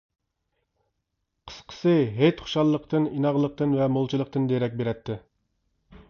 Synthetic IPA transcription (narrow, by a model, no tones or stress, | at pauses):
qʰə̥sqʰə̥sɨɦet͡ʃχʊ̥ʃɑlˠːəqt̪ʰɨninɑʁlˠəq̚t̪ɨnvɛmolˠt͡ʃʰilˠəq̚t̪ɨnd̪eɾɛk̬̚ʲbeɾɛt̪ʰːɪ